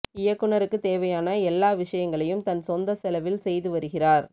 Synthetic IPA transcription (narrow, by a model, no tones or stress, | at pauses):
ɪjɐkːɯɳɐɾɯkːɯt̪eːʋɐjaːnɐɛlːaːʋɪʂɐjɐŋɡɐɭɐjɯmt̪ɐnsɔnd̪ɐsɛlɐʋɪlsɛjðɯʋɐɾɯɣɪraːɾ